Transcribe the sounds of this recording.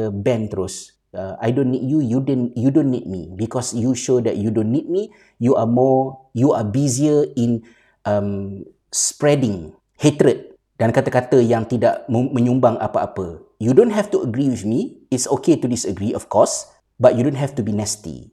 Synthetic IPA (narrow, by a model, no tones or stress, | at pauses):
əbɛ̃nt̪əɾos | əa̰jdõnːit̚jujudonjudõnːit̚mḭbikɔsjuʃodɛ̰ʔ̚judõnːit̚mi | juʔamɔjuabiziəĩn | ʔəm | spɹɛdɪ̃ŋ | het̪ɾət̚ | d̥ãnkat̪əkat̪əjãŋt̪idaʔmmə̃ɲũmbaŋa̰paapə | judõntɦɛftuəɡɾiwiθmiɪtsoketudisəɡɾiɔfkʰɔs | bat̚judõntɦɛftubinɛstḭ